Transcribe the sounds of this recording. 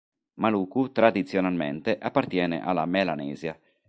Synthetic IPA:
maluːkut̪ɾad̪it̪sːjonalmḛnt̪eʔapːart̪jɛːnḛʔalːa̰melanɛːzja

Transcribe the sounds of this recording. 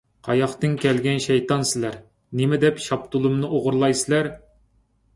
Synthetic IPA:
qʰɑjɑχt̪ɨŋkʲɛlɡʲɛnʃɛjt̪ɑnsɪlæɾ | nɪmɪd̪ɛpʃɑp̚t̪ulˠumnɨʔoʁʊɾlˠɑjsɪlæɾ

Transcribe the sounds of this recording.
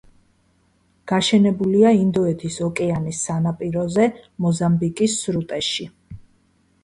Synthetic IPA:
ɡ̥aʃɛnɛbuliaind̪ɔɛt̪ʰisɔkʼɛanisːanapʼiɾɔzɛmɔzambikʼisːɾut̪ʼɛʃi

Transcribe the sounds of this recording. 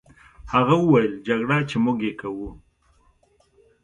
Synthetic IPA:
haɣawəwajəld͡ʒaɡɽat͡ʃemʊɡekawu

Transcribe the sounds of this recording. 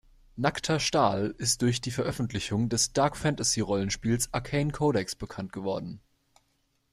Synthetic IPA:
naktʰɐʃtaːlɪst̚d̥ʊɐçd̥iːfɛɐʔœfn̩tʰlɪçʊŋdɛsd̥aɐkfɛntasiʁɔlənʃpiːlsʔakʰɛɪnkʰoɾɛksb̥əkʰant̚ɡ̥əvɔɐdn̩

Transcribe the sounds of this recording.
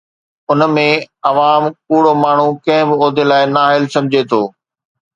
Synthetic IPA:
ʊnmẽɐʋaːmkuːɽomaːɳ̤ukɐ̃ɦɪ̃bɪoːd̪ʱelaːɪnaːɦɪlsɐ̃mɪd͡ʑʱet̪ʰoː

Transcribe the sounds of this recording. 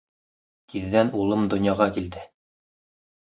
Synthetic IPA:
kiðːænulˠɤmd̪ŏnjɑʁɑkild̪ɘ

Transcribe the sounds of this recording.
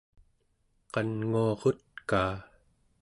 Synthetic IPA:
qɑnŋuɑʁot̪̚kaː

